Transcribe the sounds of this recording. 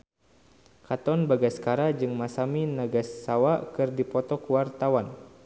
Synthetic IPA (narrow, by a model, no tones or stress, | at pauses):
kat̪ɔnbaɡaskaɾad͡ʒɨŋmasaminaɡasːawakɨrdipɔt̪ɔkəwart̪awan